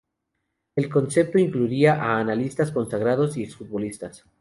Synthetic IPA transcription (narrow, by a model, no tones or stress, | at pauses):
e̞lko̞nse̞p̚t̪oiŋkluiaʔaːnalist̪asko̞nsaɣ̞ɾað̞o̞sieksfut̪̚bo̞list̪as